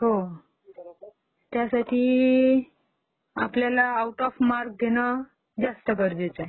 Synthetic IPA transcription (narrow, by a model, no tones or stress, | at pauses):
ho | t̪jasaʈʰiː | apljalaːuʈɔfmaɾk̚d̪ʱenə | d͡zast̪əkəɾd͡ʑet͡sə